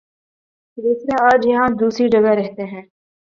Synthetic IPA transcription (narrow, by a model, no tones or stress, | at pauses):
d̪uːsɾeaːd͡ʒjɐɦãd̪uːsɾid͡ʒɐɡəɾɛɦt̪eɦɛ̃ː